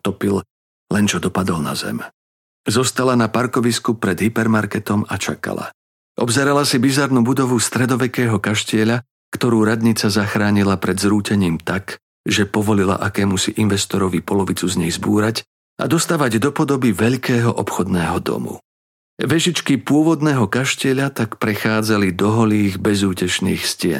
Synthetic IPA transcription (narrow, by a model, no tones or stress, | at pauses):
t̪ɔpil | lɛnt͡ʃɔd̪ɔpad̪ɔlna̰zɛ̰m | zɔst̪alanapaɾkɔʋiskupɾɛd̪ɦipɛɾmaɾkɛt̪ɔmat͡ʃaka̰la̰ | ʔɔbzɛɾalasibizaɾnubud̪ɔʋust̪ɾɛd̪ɔʋɛkɛːɦɔkaʃcɪɛʎa | kt̪ɔɾuːɾad̪ɲit͡sazaxɾaːɲilapɾɛd̪zɾuːcɛɲiːmt̪ak | ʒɛpɔʋɔlila̰ʔakɛːmusiʔinʋɛst̪ɔɾɔʋipɔlɔʋit͡suzɲɛjzbuːɾac | ʔa̰d̪ɔst̪aːʋaɟd̪ɔpɔd̪ɔbiʋɛʎkɛːɦɔʔɔpxɔd̪nɛːɦɔd̪ɔ̰mṵ | ʋɛʒit͡ʃkipʊɔʋɔd̪nɛːɦɔkaʃcɪɛʎat̪akpɾɛxaːd͡zalid̪ɔɦɔliːɣbɛzuːcɛt͡ʃnḭːxscɪɛ̰